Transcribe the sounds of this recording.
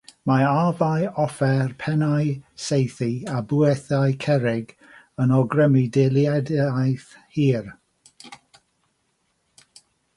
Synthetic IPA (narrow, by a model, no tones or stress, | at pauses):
maavajɔfɛrpʰɛnajsejθiabuɛθajkʰɛɾɪɡ | ənɔɡrəmɪdelˠjadajθhiːr